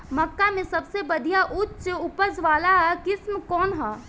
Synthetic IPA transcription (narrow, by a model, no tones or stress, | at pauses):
mɐkːamẽsɐbsebɐd̪ʱijaʔʊtːt͡ʃʊpəzʋaːlaɦɛkɪsmkɔːnɦɛː